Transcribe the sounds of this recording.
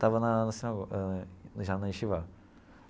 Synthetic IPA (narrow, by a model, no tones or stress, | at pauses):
t̪avɐnɐnɐsemɐɡo | ʒanɐiʃiva